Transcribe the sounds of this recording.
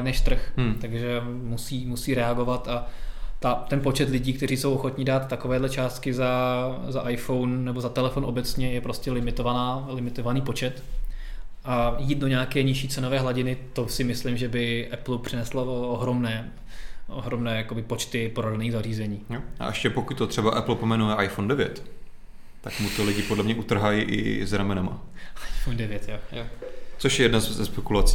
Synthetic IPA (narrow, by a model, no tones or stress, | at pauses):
nɛʃt̪r̩xt̪aɡʒɛ | musiːmusiːɾɛaɡo̞vat̪at̪at̪ɛnpo̞t͡ʃɛt̪lɪɟiːk̚t̪ɛɾiːsowʔoxo̞t̪ɲɪdaːt̪ːakovɛːdlɛt͡ʃaːst̪kɪzazaʔajfo̞wnnɛbo̞zat̪ɛlɛfonʔo̞bɛt͡sɲɛjɛpɾo̞scɛlɪmɪt̪o̞vanaːlɪmɪt̪o̞vaniːpo̞t͡ʃɛt̪ | ʔajiːt̪̚doɲaːkɛːɲɪʃiːt͡sɛnovɛːɦlaɟɪnɪt̪o̞sɪmɪslɪmʒɛbɪʔɛplupr̥ɪnɛslaoɦɾo̞mnɛː | ʔo̰ɦɾomnɛːjakobɪpo̞t͡ʃt̪ɪpoɾadniːɣzariːzɛɲiːjoʔa̰ʔɛʃcɛpokuc̚t̪ot̪r̝̥ɛbaʔɛpl̩pomɛnuɛʔajfondɛvjɛ̰t̪ː | akmut̪olɪɟɪpodlɛmɲɛʔut̪r̩ɦajiʔɪ̰zɾamɛnama̰ʔajfondɛvjɛt̪jojot͡soʃjɛjɛdnazzɛspɛkulat͡si